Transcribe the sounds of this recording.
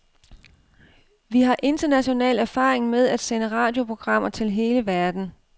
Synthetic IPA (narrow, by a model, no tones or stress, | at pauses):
ʋiɦɑ̈ʔe̝nd̥ɐnæɕo̝nɛ̰ːlæɐfɑ̰̈ːʁeŋmeð̞ˠæd̥senəʁɑ̈ːd̥jo̝pʰo̝ɡ̥ʁɑ̈m̰ɐt͡sʰe̝lɦe̝ːləʋæɐd̥n̩